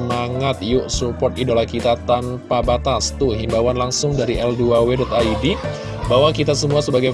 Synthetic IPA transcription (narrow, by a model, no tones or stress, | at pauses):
maŋat̪̚jʊʔsupɔt̪idolakit̪at̪anpabat̪ast̪uɦimbawanlaŋsʊŋdaɾiʔɛlduawedɔt̪aidi | bawakit̪asəmuasəbaɡa